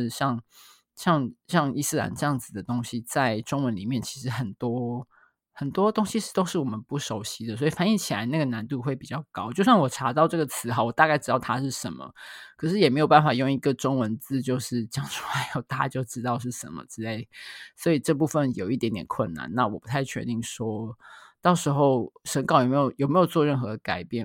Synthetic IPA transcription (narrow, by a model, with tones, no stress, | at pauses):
ɕjɑ˥˧ŋ | ɕjɑ˥˧ŋɕjɑ˥˧ŋi˥˧s̩˥˩la̰˨˩nʈ͡ʂɤ˥˧jɑ˥˩ŋd͡zɹ̩˨˩d̪ə˩t̪o˥ŋɕi˦t͡sa˥˩ɪʈ͡ʂʊ˥ŋwə˧˦nli˨˩mjɛ˥˩nt͡ɕʰi˧˥ʂɻ̩˧˥xə˨˩nt̪wɔ˥ | xə˨˩nt̪wɔ˥t̪o˥ŋɕi˧˥ʂ̩˥˩t̪o˥ʊʂɻ̩˥˩wɔ˨˩mə˨˦npu˥˩ʂo˧˥ʊɕi˥d̪ə˨swɔ˧˥i˨˩fa˥˩ni˥˩t͡ɕʰi˨˩la̰˧˦ɪna˥˩ɡə˩na˧˦nt̪u˥˧xwe˥˩ɪpi˨˩t͡ɕjɑ˥˩ʊkɑ˥ʊt͡ɕjo˥˧ʊɕjɑ˥˩ŋwɔ˨˩ʈ͡ʂʰa˧˥t̪ɑ˥˧ʊʈ͡ʂɤ˥˩ɡə˩t͡sʰɹ̩˧˥xa˧˩ʊwɔ˨˩t̪a˥˧ka˥˩ɪʈ͡ʂ̩˥t̪ɑ˥˩ʊt̪ʰa˥ʂɻ̩˥˩ʂə̰˧˥nmə̰˨kʰɤ˨˩ʂɻ̩˥˩jɛ˨˩me˧˥ɪo˨ʊpa˥˩n˩fa˨˩jo˥˩ŋi˧˥ɡə˨ʈ͡ʂʊ˥ŋwə˧˦nt͡sɹ̩˥˧t͡ɕjo˥˧ʊʂɻ̩˥˩t͡ɕjɑ˥˩ŋʂu˥a˧˥˩jo˥˩ʊt̪a˥˧a˥˧t͡ɕjo˥˧ʊʈ͡ʂɻ̩˥t̪ɑ˥˧ʊʂ̬ɻ̩˥˩ʂə̰˧˦nmə̰˨t͡sɻ̩˥e˥˩ɪswɔ˧˥i˨˩ʈ͡ʂɤ˥˧p̬u˥˧fə˥˨njo˨˩ʊi˥˩t̪jɛ˧˥nt̪jɛ̰˨˩nkʰwə̰˥˩nːa̰˧˦nna˥˩wɔ˨˩pu˧˥t̪ʰa˥˧ɪt͡ɕʰɥɛ̰˧˥t̪i˥˩ŋʂwɔ˥t̪ɑ˥˩ʊʂɻ̩˧˥xo˥˩ʊʂə˧˥nkɑ˨˩ʊjme˧˥jo˨˩ʊjme˧˥ɪjo˨˩ʊt͡swɔ˥˧ɻə˥˩nxɤ˧˥d̪ə˧ka˨˩ɪpjɛ˥˩n